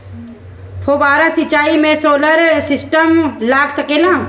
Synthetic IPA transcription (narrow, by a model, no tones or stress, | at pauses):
pʰoːbaːɾãsɪt͡ʃːaːimẽsoːləɾsɪsʈəmlaːɡsəkeːlãː